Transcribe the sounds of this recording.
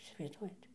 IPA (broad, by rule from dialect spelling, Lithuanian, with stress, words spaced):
ɪsʲɪʋɐɪzˈduɔjɛt